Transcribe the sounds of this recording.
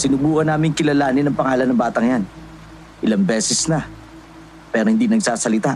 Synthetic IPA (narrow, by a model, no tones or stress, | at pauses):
sɪnʊbuːʔɐnaːmɪŋkɪlɐlaːnɪnɐŋpɐŋaːlɐnːɐmbaːt̪ɐŋjan | ʔɪlaŋbɛːsɛsnɐ | pɛːɾohɪnd̪inɐɡsaːsɐlɪt̪a